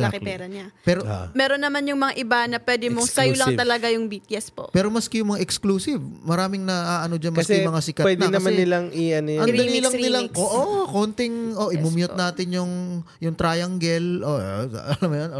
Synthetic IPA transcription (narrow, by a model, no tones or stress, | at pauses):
kɪpɛːɾɐɲapɛɾomɛːɾonːɐmanjʊŋmɐŋaʔɪbanɐpwɛd̪ɛmosɐjolɐŋt̪ɐlɐɡajʊŋbiːt̪̚jɐspo̰ʔpɛːɾomɐskɛjʊŋmɐŋaʔɛkskluːsɪvmɐɾaːmɪŋnɐʔaːʔɐno̞d͡ʒanmɐɐskɛjmɐŋasɪkɐwɛd̪ɛɐnɐanːɪlaŋiɐnojɐŋɐliːlɐŋnɪlɐŋoʔokoːnt̪ɪŋʔoʔɪmumjot̪naːt̪ɪnjʊŋ | jʊŋt̪ɾaːjɐŋɡɛlʔoɐlɐmjonʔo